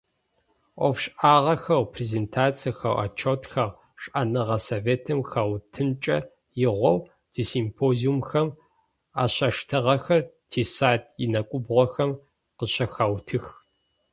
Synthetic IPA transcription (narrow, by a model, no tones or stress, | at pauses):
ʔʷɔfɕʼʔaːʁɐxɐwpʰrezeːntʰaːt͡sʰɐxɐwʔa̰t͡ʃʰotʰxɐʁ | ɕʼʔɐnɨʁɐsoːveːtʰɐmxawtʰɨnt͡ʃʼɐ | jɪʁʷɔw | d̥ʰisimpʰoːziumxɐm | a̰ːɕɐʃtʰɨʁɐxɐrtʰeːsaːtʰʼjɪnɐkʷʼʊbʁʷɔxɐm | qəɕɐxaːwtʰɨx